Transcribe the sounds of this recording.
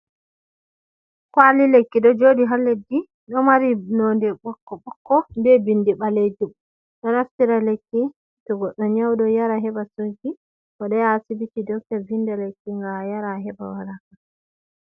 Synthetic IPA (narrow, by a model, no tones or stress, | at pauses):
kwalilekːiɗɔd͡ʒoɗiɦalːedi | ɗɔmaɾinondɛɓɔkːɔɓɔkːɔbɛbindiɓaled͡ʒum | ɗɔnastiɾalekːi | tɔɡɔɗːɔɲawdɔjaɾaɦɛbasod͡ʒi | kɔɗɔjasibitidɔktɛɾvindalekːiŋɡajaɾaɦɛba̰waɾaka